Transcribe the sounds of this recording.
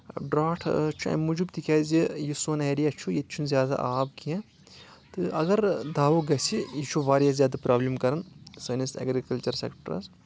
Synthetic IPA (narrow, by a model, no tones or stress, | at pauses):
ɖɾaːʈʰt͡ʃʰuɐ̰mud͡ʒubt̪ikʲaːzijisoːnɛːɾiɐt͡ʃʰujet̪t͡ʃʰunzjaːd̪a̰ʔaːbkiɛ̃ | t̪ɨʔɐɡɐɾd̪aːʋoɡɐsijit͡ʃʰuʋaːɾjazʲjaːd̪apɾaːblʲimkɐɾɐnsɐnisɐ̰ɡɾikɐlt͡ʃɐɾsḛːkʈɐɾɐ̰z